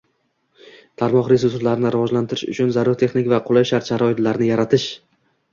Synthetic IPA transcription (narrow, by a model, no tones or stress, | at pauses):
t̪ʰaɾmɒχɾezʊst̪laɾɪnɪɾɪvɒʒlant̪ʰɪɾɪʃʊ̰t͡ʃʰʊnzaɾʊɾt̪ʰe̞χnɪkʲvaqʰolˠajʃaɾt̪ʃaɾɒɪt̪laɾnɪjaɾat̪ʰɪʃ